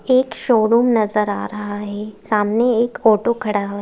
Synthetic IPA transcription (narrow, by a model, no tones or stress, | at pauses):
eːkʃoːɾuːmnɐzəɾa̰ːɾɐɦaɦɛːsaːmneeːkoːʈokʰɐɽaɦ